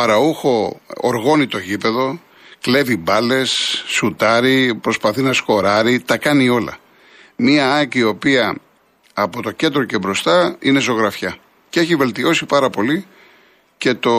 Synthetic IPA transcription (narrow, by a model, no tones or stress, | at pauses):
ɐɾɐuxo̞̰ːɾɣo̞nit̪o̞ʝipe̞ðo̞ | kle̞vibɐle̞sːut̪ɐɾipɾo̞spɐθinɐsko̞ɾɐɾit̪ɐkɐnio̞lɐ̰ | miɐɐciːo̞piɐ | ɐpo̞t̪o̞ce̞nd̪ɾo̞ce̞bɾo̞st̪ɐine̞zo̞ɣɾɐfçɐ | cee̞çive̞lt̪io̞sipɐɾɐpo̞li | ce̞t̪o